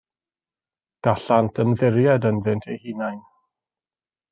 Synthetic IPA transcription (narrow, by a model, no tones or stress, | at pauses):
ɡ̥aɬantʰənðɪɾjɛdənðɪntʰejhinajn